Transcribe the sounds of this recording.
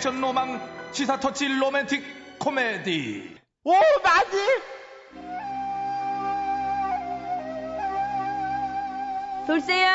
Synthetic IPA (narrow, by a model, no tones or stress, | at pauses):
t͡ɕʰʌnːomaŋt͡ɕʰisʰatʰʌt͡ɕʰilomentʰikʰː | omed̪i | omad͡ʑi | soɭs͈e